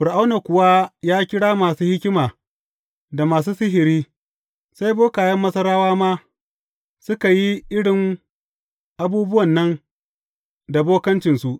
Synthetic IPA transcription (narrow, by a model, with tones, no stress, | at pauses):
ɸʊ˨ɾʔa˦wna˨kʷʊ˨wa˦jaː˦kʲɪ˦ɽaː˦maː˨suː˦hɪ˦kʲɪ˦maː˨ | da˨maː˨s̬uː˦sɪ˦ɦɪ˨ɾiː˦ | sa˦jboː˦kaː˨jɐ˦mːɐ˦sɐ˦ɾaː˦waː˦maː˦ | sʊ˦ka˨ji˦ʔɪ˦ɽɪ˨ŋ | ʔa˨buː˦bʊ˦wɐ˨nːɐ˦n | da˨boː˦kɐ˦nt͡ʃɪ˨nsu˨ʔ